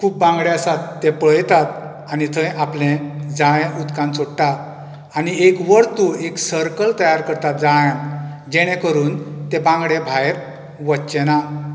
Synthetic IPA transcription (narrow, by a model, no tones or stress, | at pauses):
kʰuːp̚ːãŋɡɭeasat̪ːepɭəjt̪at̪̚ | anit̪ʰə̃jʔaplẽd͡zãẽʔud̪kãnt͡soɽʈat̪ | aniekʋəɾt̪ueksəɾkəlt̪əjaɾkəɾt̪at̪̚d͡zãã | d͡ʑeɽ̃ɛ̃kəɾuːnt̪ebãŋɡɽẽbʱajeɾ | ʋətːɕena